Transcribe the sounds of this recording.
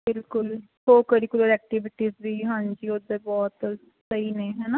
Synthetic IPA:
bɪlkʊl | koːkəɾiːkʊloɾɛːk̚ʈɪʋɪʈiːzʋiːɦãːnd͡ʒiːʊd̪eːbɔːt̪ | səiːnẽːɦɛːnaː

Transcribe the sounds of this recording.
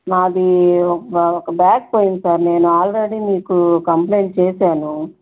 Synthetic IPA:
naːɐd̪iɔɐɔkɐbjaːk̚poːjinsaːɾne̞ːnuaːlɾeɽiːniːkukɐmpleːɳʈ̚t͡ʃeːsaːnu

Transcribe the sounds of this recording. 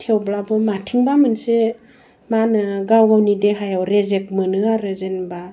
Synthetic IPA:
tʰewblabɯmatʰiŋbamɯnse | manɯɡawɡawnideɦajawɾezek̚mɯnɯaɾɯzenba

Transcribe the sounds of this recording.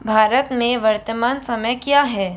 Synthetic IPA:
bʱaːɾət̪mẽʋɐɾt̪əmaːnsɐməjkijaːɦɛː

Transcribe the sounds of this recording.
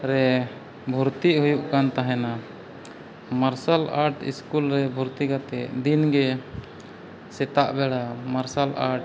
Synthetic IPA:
ɾɛ | bʱuɾt̪iʔɦujuʔkant̪aɦɛna | maɾsalaɾʈḭskulɾɛbʱuɾt̪iɡat̪ɛ̰ʔd̪inɡɛ | sɛt̪aʔbɛɽamaɾsala̰ɾʈ̚

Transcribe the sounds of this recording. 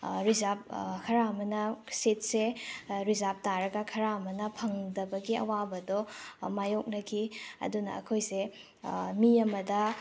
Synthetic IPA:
ɾizap̚kʰɐɾaɐmɐnɐset̚seɾizap̚taɾɐɡɐkʰɐɾaɐmɐnɐpʰɐŋdɐbɐɡiɐ̰wabɐdɔmajok̚nɐkʰiɐ̰dunɐ̰ːkʰojse | miɐmɐdɐ

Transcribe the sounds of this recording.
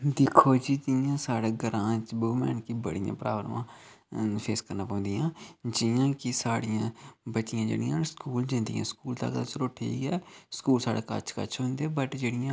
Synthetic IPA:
d̪ɪkʰːoːd͡ʒiːd͡ʒɪjãːsaːɽeːɡəɾãːt͡ʃboːʋmɛ̰ːnkibəɽijã̰ːpɾa̰ːbəɾʋãː | pʰeːskəɾnaːpãːnd̪ijãːd͡ʒɪjãːkɪsaːɽɪjãːbətːʃɪjãːd͡ʒḛːɽɪjãːskuːld͡ʒɪ̃nd̪iːã̰ːskuːlt̪a̰ːkd̪asəɾoːʈʰiːkɛːskuːlsaːɽaːkə̰t͡ʃʰkə̰t͡ʃʰɦʊ̃nd̪eãːbəʈd͡ʒeːɽɪjãː

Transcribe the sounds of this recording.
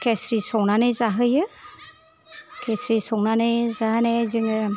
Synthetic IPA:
kesɾisɔwnanɯjzaɦɯjɯ | kʰesɾisɔŋnanɯjzaɦanezɯŋɯ

